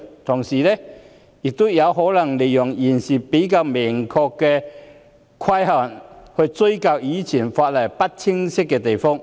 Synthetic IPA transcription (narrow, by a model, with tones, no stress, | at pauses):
t̪ʰʊ˨˩ŋsiː˨˩lɛ˥ | jɪ˨k̚t̪o˥jɐ˨˧wɦɔː˨˥lɐ˨˩ŋle˨jːʊ˨˩ŋjiː˨˩nsiː˨˩pe˨˥jkaː˧wmɪ˨˩ŋkʰɔː˧kːɛ˧ | kʰwɐ˥jhaː˨˩nhɵ˧ɥt͡sɵ˥ɥka˧wjiː˨˧t͡sʰiː˨˩nfaː˧t̚lɐ˨˩jpɐ˥t̚t͡sʰɪ˥ŋsɪ˥kːɛː˧t̪e˨jfɔː˥ŋ